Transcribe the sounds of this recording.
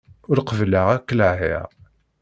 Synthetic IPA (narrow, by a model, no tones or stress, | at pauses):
ʊɾqəvlaʁækːəlaɦḭʁ